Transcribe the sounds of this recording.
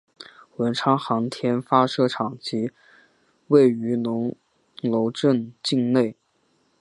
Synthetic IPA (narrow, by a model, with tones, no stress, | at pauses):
wə˧˥nʈ͡ʂʰɑ˥ŋxɑ˧˥ŋt̪ʰjɛ˥nfa˥ʂɤ˥˧ʈ͡ʂʰɑ˨˩ŋt͡ɕi˧˥ | we˥˩ɪy˧˥nʊ˧˥ŋ | lo˧˥ʊʈ͡ʂə˥˧nt͡ɕi˥˧ŋne˥˩ɪ